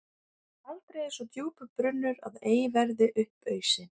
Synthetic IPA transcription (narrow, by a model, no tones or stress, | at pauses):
alt̪ɾeːjsɔt̪juːpʏpɾʏnːʏɾa̰ðeːjɪvɛɾðɪʔʏhpœːɥsɪ